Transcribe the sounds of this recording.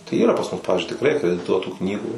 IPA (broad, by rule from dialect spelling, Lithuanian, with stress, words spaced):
tɐɪ ˈiːrɐ pɐs mʊs ˈpɑːʋʲɪzʲd͡ʒʲʊɪ tʲɪkˈrɐɪ ɐkrʲɛdʲɪˈtuɔtuː ˈknʲiːɡuː